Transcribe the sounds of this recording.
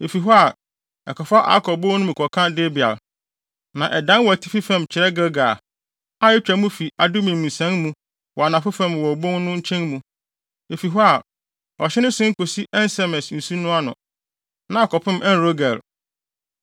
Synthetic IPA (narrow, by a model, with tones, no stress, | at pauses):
e˨fi˨ɦɔ˦a˨ | ɛ˨kɔ˨fa˦ʔa̰˦kʰɔ˨bo˦nʊ̃˦mĩ˨kʰɔ˨kʰã˦de˦bi˨a̰˨l | nã˨ʔɛ˨dã˦n˦wɔ˨æ˨tʰi˦fi˦fɛ̃˦˨mt͡ɕʰɪ˨ɾɛ˦ɡɛ˦ɡa˨ | a˦jɪ˦t͡ɕᶣæ˨˦mũ˦fi˨a˨dʊ˦mĩ˨mũ˨sæ̃˦ŋmũ˦ | wɔ˨a˨nã˨fʊ˦fã˦˨mwɔ˨bõ˦ŋnʊ̃˦ɲ̩˦t͡ɕʰɛ̃˦ŋmũ˨ | e˨fi˨ɦɔ˦a˨ | ɔ˨ɕɪ˦nʊ̃˦sɪ̃˦ŋ̩˦kʰo˨si˦ʔɛ˦n˦sɛ˨mɛ˨sn̩˨su˦nʊ̃˦a˦nʊ̰̃˨ | nã˨˦a˨kɔ˨pʰɪ̃˦mʔɛ˦n˦ɾo˦ɡæ˨l